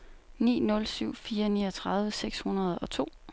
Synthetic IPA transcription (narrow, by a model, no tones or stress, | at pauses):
nḭːnɔ̽lsyʊ̰fiːɐnḭːɐt͡sʰʁɑð̞ˠʋəseɡ̥shunɐð̞̩ˠɒ̽t͡sʰo̝̰ː